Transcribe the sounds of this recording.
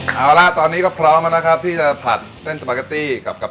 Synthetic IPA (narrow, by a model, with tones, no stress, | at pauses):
ʔaː˧˩wla˦˥t̪ɔː˧nːiː˦˥kɔː˥˩pʰɾɔː˦˥mʔa˧na˦˥kʰa˦˥p̚t̪ʰiː˥˩t͡ɕa˨˩pʰa̰˨˩t̪̚se˥˩nsa˧paː˧˩ka˧t̪iː˥˩ka˨˩p̚ka˨˩p